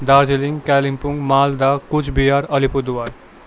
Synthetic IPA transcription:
d̪aːɾd͡ʒeliŋɡkɛlimpuŋɡmaːld̪akut͡ʃʰbijaːɾʌlipud̪uwaɾ

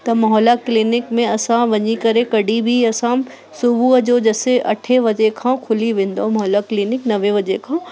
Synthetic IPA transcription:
t̪ɐmɐɦɔːlaklinɪkmẽɐsãʋɐɲikɐɾekɐɽibʱiɐsã | sʊbuɐd͡ʒoːd͡ʒɐːseʔɐ̰ʈʰeʋɐd͡ʒekʰãːkʰʊliʋẽːnd̪omɐɦɔːlakliːnɪknɐʋeʋɐd͡ʒekʰãː

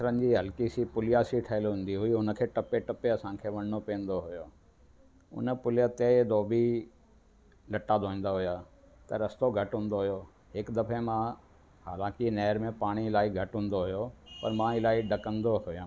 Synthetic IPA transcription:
sɾənɪ̆d͡ʑiːɦɐlkisipʊlɪjasiʈʰɐɦɪlɦũːn̆d̪iɦʊiɦʊnəkʰeːʈɐpeʈɐpeɐsãkʰeːʋɐɽ̃ñopiːə̃nd̪oɦʊjoː | ʊ̰nə̆pʊlɪjat̪ed̪oːbi | lɐʈad̪oĩːn̆d̪aɦʊja | t̪ɐɾɐst̪oɡʱɐʈɦũːn̆d̪oɦʊjo | ɦɪkd̪ɐfʰemã | ɦaːlãːkɪnɛːɾmẽpaːɽ̃iɪlaːiɡʱɐʈɦũːnd̪oɦʊjopɐɾmãɪlaːiɖɐkə̃nd̪oɦʊjãː

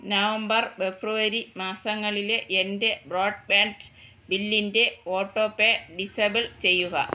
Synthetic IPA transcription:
nɐʋɐmbɐrfebruʋɐɾimaːsɐŋːɐɭileʔende̞bro̞ːɖ̚baːnɖ | bilːinde̞oːʈːoːpːeɖisɐbɐlt͡ɕe̞jːuɣɐ̰

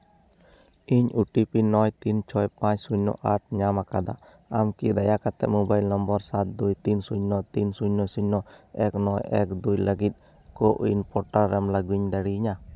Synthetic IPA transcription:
iɲuʈipinɔjt̪int͡ʃʰɔjpãt͡ʃsuɲnɔ̰ʔaʈ̚ɲamakad̪a̰ | amkid̪ajakat̪ɛ̰ʔmɔbajlnɔmbɔɾsat̪̚d̪ujt̪insuɲnɔt̪insuɲnɔjsuɲnɔɛk̚nɔjɛ̰k̚d̪ujlaɡit̪̚ | kɔʔinpɔʈaɾɾːɛmlaɡuɲd̪aɽiɲa

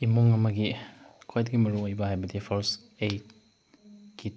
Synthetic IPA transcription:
imuŋɐmɐɡikʰojdɐɡimɐɾuŋojbɐhajbɐdipʰoɾs | ej | ki

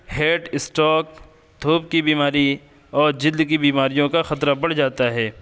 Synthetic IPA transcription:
heːʈɪsʈɔːk̚ | d̪ʱoːp̚kibiːmaːɾi | ɔːɾd͡ʒɪld̪kibiːmaːɾijõkaxɐt̪ɾabɐɽ̤d͡ʒaːt̪aɦɛː

